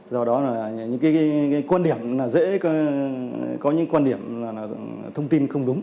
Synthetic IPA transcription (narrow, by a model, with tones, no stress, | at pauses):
zɔ˧ɗɔ˨˦naː˨˩˨ɲɨ̰˧˥ŋkaː˨˦a˨˦jkaː˨˦jkwaː˧nɗi˧˩əmnaː˨˩zḛ˧˥k | kɔ˨˦ɲɨ̰˧˥ŋ˦kwaː˧nɗi˧˩əmaː˨˩na˨˩ | t̪ʰə˧wŋ͡mt̪i˧nxə˧wŋ͡mɗʊ˨˦ŋ͡m